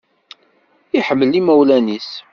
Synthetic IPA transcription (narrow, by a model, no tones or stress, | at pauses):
iħəmːəlimæwlænis